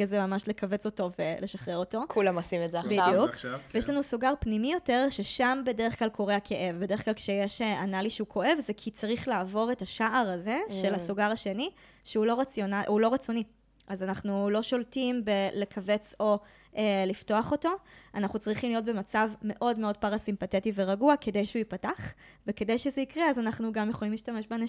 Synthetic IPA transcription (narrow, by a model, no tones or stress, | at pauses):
azemamaʃle̞kʰave̞t͡so̞to̞velʔe̞ʃaχʁe̞ʁo̞to̞kʰulamosimezeabijukkvejeʃlanusuɡaʁpnimijo̞te̞ʁʃeʃambe̞deʁeχklalkʰo̞ʁehakʰeʔe̞vbedχklalkʃejeʃeanaliʃeukʰo̞ʔe̞vzekʰit͡saʁiχlaːvo̞ʁe̞taʃaʔaʁaze̞ʃelasuɡaʁaʃe̞ni | ʃeulo̞ʁat͡sjonaulo̞ʁat͡so̞ni | ʔazanaχnulo̞ʃo̞ltimbe̞le̞kʰave̞t͡so̞ | ʔelifto̞aχo̞to̞anaχnut͡sʁiχimlijo̞t̚be̞mat͡savme̞ʔo̞dme̞o̞d̚paʁasimpatetive̞ʁaɡuake̞dejʃeuipataχveke̞dejʃezeikʁeazanaχnuɡamjeχolimliʃtameʃbeana